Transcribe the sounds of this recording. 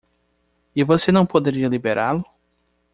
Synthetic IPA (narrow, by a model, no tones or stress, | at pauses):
ɪvosenɐ̃w̃pod̪eɾiɐlibeɾʔa̰lʊ